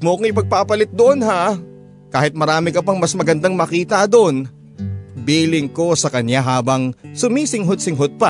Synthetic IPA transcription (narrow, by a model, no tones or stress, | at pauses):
moɐkoŋɪpɐɡ̚papɐlɪt̪̚d̪oʔo̞nɦa | kaːhɪt̪̚mɐɾaːmɪkɐpɐŋmɐsmɐɡɐnd̪aŋmɐkiːt̪ɐʔd̪oʔon | biːlɪŋko̞sɐkɐnjaɦaːbɐŋsʊmiːsɪŋɦod̪̚sɪŋɦod̪̚pa